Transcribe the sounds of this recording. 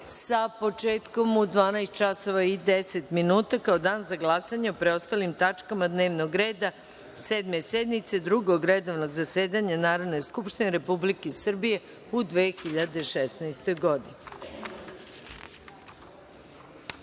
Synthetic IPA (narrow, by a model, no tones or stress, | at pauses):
sapo̞t͡ʃeːt̪ko̞mud̪ʋaːnajst̪̚t͡ʃaso̞ʋaid̪eset̪minuːt̪akaod̪aːnzaɡlˠasaɲeopɾeo̞st̪alimt̪at͡ʃkamad̪ne̞ːʋnoɡɾeːd̪a | seːd̪meseːd̪mit̪se̞d̪ɾuɡoɡɾed̪o̞ʋno̞ɡzaseːd̪aɲanaːɾod̪ne̞skupʃt̪ineɾe̞publikesr̩bije̞ | ud̪ʋeːxiʎad̪e̞ʃesnast̪o̞jɡo̞d̪ine